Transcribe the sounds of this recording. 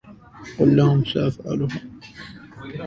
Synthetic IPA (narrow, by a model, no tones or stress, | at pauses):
qʊlːahʊmsaʔafʕa̰lʊha